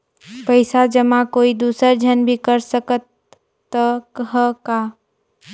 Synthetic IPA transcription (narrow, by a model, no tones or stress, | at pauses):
pəɪsad͡ʒəmãkoːid̪uːsəɾd͡ʒʱənbʱikəɾsəkət̪ː | əkɦəkaː